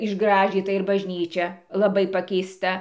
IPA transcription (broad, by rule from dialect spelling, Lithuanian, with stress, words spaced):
ɪʒˈɡrɑːʒʲiːtɐ ɪr bɐʒʲˈnʲiːt͡ʃʲɛ lˠɐˈbɐɪ pɐkʲɛɪsˈtɐ